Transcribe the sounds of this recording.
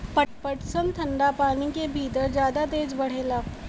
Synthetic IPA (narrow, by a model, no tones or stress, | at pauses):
pəʈ̚pəʈsə̃nt̪ʰɐ̃ɳɖapaːnikebʱiːt̪əɾd͡ʒjaːd̪at̪eːd͡ʒbɐɽ̤eːlaː